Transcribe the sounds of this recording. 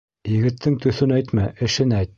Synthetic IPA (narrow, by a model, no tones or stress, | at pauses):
jɘ̆ɡɘ̆t̪ʰːɘŋt̪ɵ̆θɵnæjt̪mæʔɘ̆ʃɘnæjt̪̚